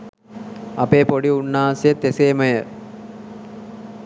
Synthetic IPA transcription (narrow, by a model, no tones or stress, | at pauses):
ɐpeːpoɖiunːaːsijət̪ːeseːməjə